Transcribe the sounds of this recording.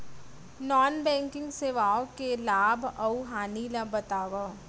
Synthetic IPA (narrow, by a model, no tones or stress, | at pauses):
nɔːnbɛ̃ːŋkɪ̃ŋɡseːʋaːokelaːbʱɐuɦaːnilabɐt̪aːʋa